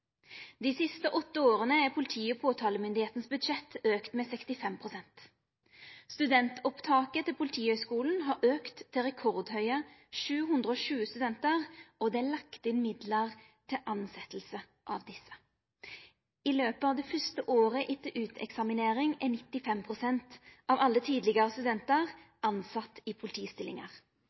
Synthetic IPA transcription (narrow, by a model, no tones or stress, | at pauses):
d̪̥iːsɪst̪əʔɔt̪ːəoːʁənəæpʰʊlɪt̪ʰiːɔpʰoːt̪ʰɑːləmʏnd̪ɪheːt̪nsbʉd̪ʃɛt̪øːkt̪meːsɛkst̪ɪfɛmpʰʁʊsɛnt̪ | st̪ʉd̪ɛnt̪ɔpt̪ʰɑːkət̪ʰɪlpʰʊlɪt̪ʰiːhœʏskuːln̩ɦɑːɾʔøːkt̪ʰːɪlʁɛkʰɔʁd̪hœʏəʃʉːhʉnd̪ʁəɔːʃʉːəst̪ʉd̪ɛnt̪əʁɔd̪ɛælɑkt̪ɪnmɪd̪ləʁ | t̪ʰɪʔɑnsɛt̪l̩sə | ʔɑ̰ʋd̪ɪsə̥ | ɪløːpəɑːʋd̪ɛːfʏst̪əʔoːʁəʔɪt̪ʰəʔʉːt̪ʰɛ̰ksɑmɪneːʁɪŋɛnɪt̪ːɪfɛmpʰʁʊsɛnt̪ʔɑʋɑlːət̪ʰiːd̪lɪɡəʁəst̪ʉd̪ɛnt̪əʁʔɑnsɑt̪ːipʰʊlɪt̪ʰiːst̪ɪlɪŋɑʁ